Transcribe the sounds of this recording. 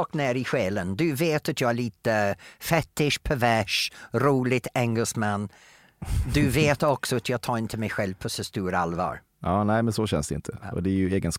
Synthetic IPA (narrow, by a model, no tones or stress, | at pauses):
kneːɾɪɧɛːlənd̪ɵveːt̪at̪jɑɡæɭiːt̪əfɛt̪ːɪʂpʰævæʂɾuːlɪt̪ɛŋɡəsmanː | d̪ɵveːt̪ɔksɔat̪jɑːɡ̚t̪ʰɑːɾɪnt̪ʰəmɛjɧɛlvpʰɔsɔst̪uːɾalvɑ̰ːɾ | ɑːnæɪmɛnsɔɕɛ̰nsd̪ɛɪ̰nt̪ʰəʔɔ̰d̪ɛæɾjɵeːɡəns